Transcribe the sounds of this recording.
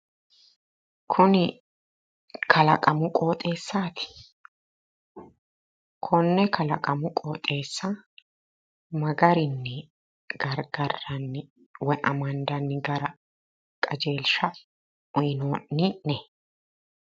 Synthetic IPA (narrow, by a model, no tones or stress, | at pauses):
kʰʊnɪ | kʰɐlɐkʼɐmʊkʼo̞ːt̪ʼe̞ːsːaːt̪ɪ̥ | kʰʊnːɛkʰɐlɐ̰kʼɐmʊkʼo̞ːt̪ʼːe̞ːsːɐ | mɐɡɐɾɪnːɛ | ɡ̥ɐɾɡɐrːɐnːɪ | wɛʔɐmɐnd̪ɐnːɪɡɐɾɐ | kʼɐd͡ʒe̞ːlʃɐ | ɔjɪnoːnːɪʔnɛ